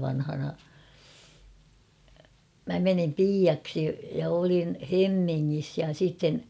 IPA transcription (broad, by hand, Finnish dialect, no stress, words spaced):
ʋɑnhɑnɑ mæ menim piːɑksi jɑ olin hemːiŋːis jɑ sitːen